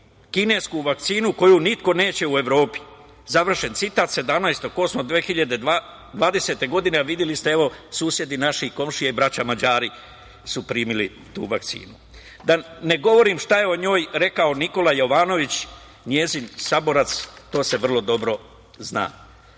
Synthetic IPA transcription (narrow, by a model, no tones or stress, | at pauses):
kine̞ːskuʋak̚t̪siːnuko̞junit̪ko̞ne̞ːt͡ɕe̞ue̞ʋɾo̞ːpi̥ | zaʋr̩ʃe̞nt̪sit̪aːt̪se̞d̪amnajst̪oko̞smod̪ʋeːxiʎad̪e̞d̪a | d̪ʋaːd̪e̞se̞t̪e̞ɡo̞d̪ineaʋid̪jelist̪e̞eʋo̞suːsje̞d̪inaʃiko̞mʃijaibɾat͡ɕamad͡ʑaːɾi | supɾiːmili | t̪ṵːʋakt̪sḭːnu | d̪ane̞ɡo̞ʋo̞ɾimʃt̪ajeo̞ɲo̞ːjɾe̞kaoniko̞lajo̞ʋaːno̞ʋit͡ɕ | ɲje̞ːzinsabo̞ɾat̪st̪o̞ːse̞ʋr̩lˠo̞d̪o̞bɾo̞ | zna̰ː